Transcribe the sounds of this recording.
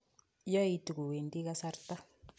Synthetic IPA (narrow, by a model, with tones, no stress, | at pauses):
jɔ˦i˦tu˨ku˨we˨ndi˦ka˦sa˦ɾta˦